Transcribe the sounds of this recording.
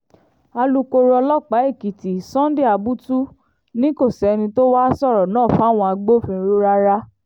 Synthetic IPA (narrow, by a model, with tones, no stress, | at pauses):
a˧lu˦ko˧ɾɔ˧lɔ˦k͡pa˨˦e˦˨ki˨ti˨sɔ̃˦di˦˨a˨˧bu˦tu˦ | nĩ˦ko˦˨sɛ˨˧nĩ˧to˦wa˦sɔ˦˨ɾɔ˨nãː˦˨fa˨˦˨w̃ɔ̃˧a˧ɡ͡bo˦fĩ˧ɾo˦ɾa˦ɾa˦